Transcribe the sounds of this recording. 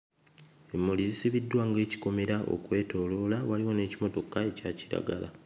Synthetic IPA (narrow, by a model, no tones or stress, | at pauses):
e̞mːolizisiβidːwaŋɡe̞ːci̥ko̞meɾaʔo̞̰kwe̞ːto̞ːlo̞ːlawaliwo̞ne̞ːcimo̞to̞kae̞caciɾa̰ɡa̰la̰